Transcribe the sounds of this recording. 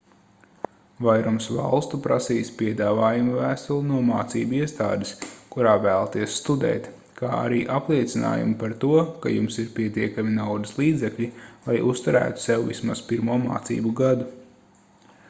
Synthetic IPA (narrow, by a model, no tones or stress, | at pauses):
vajɾumsva̰lˠst̪upɾasiːspiɛd̪aːvaːjumvæːst̪ulˠunuɔmaːt̪siːbuiɛst̪a̰ːd̪ɪskuɾaːvæːlˠat̪iɛsːt̪ud̪ɛ̰ːt̪ | kaːa̰ɾiːʔaplˠiɛt̪sʲina̰ːjṵmpaɾt̪uɔkajumsiɾpʲiɛt̪iɛkaminawd̪islˠiːd̪zɛklʲilˠajʔust̪uɾæ̰ːt̪u̥sɛwvḭsmaspiɾmuɔma̰ːt̪sḭːbuɡad̪u